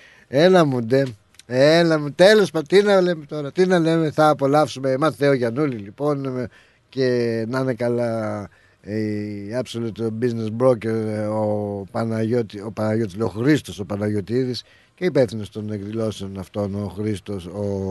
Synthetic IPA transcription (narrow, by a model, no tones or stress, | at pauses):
enɐmud̪e̞ | enɐmut̪e̞lospɐt̪inɐle̞met̪o̞ɾɐt̪inɐle̞meθɐːpo̞lɐfsumemɐθeoʝɐnulilipo̞n | ce̞nɐne̞kɐlɐ | iɐpsolut̪obizne̞sbɾo̞ceɾopɐnɐʝot̪iopɐnɐʝo̞t̪izleoxɾist̪o̞so̞pɐnɐʝo̞t̪iðis | ce̞ipefθinost̪oneɡðilo̞seonɐft̪o̞no̞xɾist̪o̞so